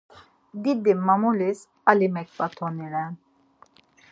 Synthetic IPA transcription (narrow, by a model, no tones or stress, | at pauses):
d̪id̪immːamulis | alimɛk̚bat̪ʰɔniɾɛn